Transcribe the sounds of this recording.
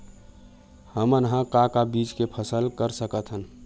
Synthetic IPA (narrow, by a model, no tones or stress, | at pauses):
həmənɦə̃kakabid͡ʒkepʰəsəlkəɾsəkət̪ɦən